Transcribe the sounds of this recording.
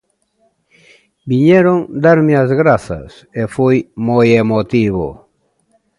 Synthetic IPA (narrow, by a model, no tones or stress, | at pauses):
biɲɛɾoŋd̪aɾmeazɣɾaθɐ̰s | efojmojemot̪iβo̰